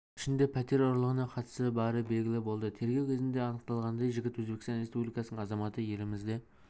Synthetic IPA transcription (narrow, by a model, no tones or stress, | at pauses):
ɪ̥ʃɪnd̪e̞pʰæt̪e̞ɾoɾlˠəʁənɑqʰɑt̪əsəbɑɾəbelɡʲɪlɪbo̞lˠd̪ət̪ʰe̞ɾɡʲe̞wkʲʰezɪnd̪eɑnəq̚t̪ɑlˠʁɑnd̪ɑjʒɪɡʲɪt̪wɵzbekʲɪsɑnɾe̞spublijkɑsənəɴɑzɑmɑt̪əje̞lɪmɪzd̪e̞